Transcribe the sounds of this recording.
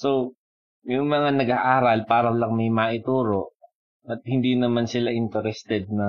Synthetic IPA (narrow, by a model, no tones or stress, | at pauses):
so | jʊŋmɐŋanɐɡaːʔaːɾɐlpaːɾɐwɐlaŋmɐjmaːʔɪt̪uːɾo̞ʔ | ʔɐt̪̚hɪnd̪inɐmansɪlaʔɪnt̪ɛɾɛst̪ɛd̪̚nɐ